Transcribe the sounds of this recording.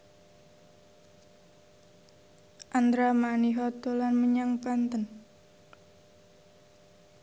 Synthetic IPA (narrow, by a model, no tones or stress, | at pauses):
ʔand̪ɾamaniɦɔt̪olanməɲaŋpant̪ən